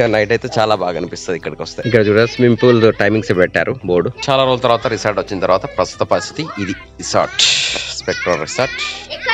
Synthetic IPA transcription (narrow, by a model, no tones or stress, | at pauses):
nɐjʈɐjt̪e̞ːt͡ʃaːlaːbaːɡɐɐnipist̪ond̪ikːɐɽikiʋɐst̪ɐikːɐɽɐt͡ʃuːɽasmimpulʈɐjmiŋɡsebɛʈːa̰ːɾuboːɽut͡ʃaːlaːɾoːlɐt̪ɐɾuʋaːt̪ɐɾisaːɾɖʋɐt͡ʃːinɐt̪ɐɾʋaːt̪ɐpɾɐst̪u̥t̪ɐpɐst̪ʰi̥t̪iid̪i | isa̰ːɾʈspek̚ʈɾɐnɾisaːɾʈ